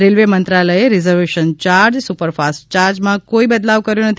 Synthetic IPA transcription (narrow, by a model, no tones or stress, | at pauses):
ɾelʋemənt̪ɾaləjeɾɪzəɾʋeʃənt͡ʃaɾd͡ʒsupəɾfast͡ʃaɾd͡ʒmãkoibəd̪laʋkəɾjonət̪ʰ